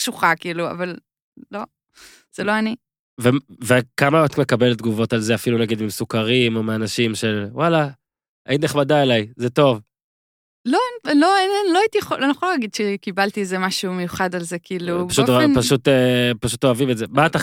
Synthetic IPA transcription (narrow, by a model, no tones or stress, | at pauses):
ʃuχakiːlua̰val | lo̞ | z̥elo̞ani | vevekamaat̪me̞kabe̞l̚d̪̚ɡuvo̞talze̞afilunaɡid̪mimsukaʁimo̞meanaʃimʃe̞lwala | ʔainneχmadaelajzeto̞v | lo̞nelo̞ennloajit̪ijeχolonijeχolaɡid̪ʃekibalt̪iezemaʃumejuχadalze̞kiiːluaʃutpaʃut̪epaʃut̪oavimetzebat̪a